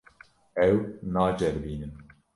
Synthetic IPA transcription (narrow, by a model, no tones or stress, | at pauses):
ɛwnɑːd͡ʒɛɾbiːnɨn